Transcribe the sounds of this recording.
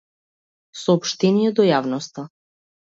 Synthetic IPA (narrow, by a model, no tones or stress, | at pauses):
sɔːpʃt̪ɛnijɛd̪ɔjavnɔst̪a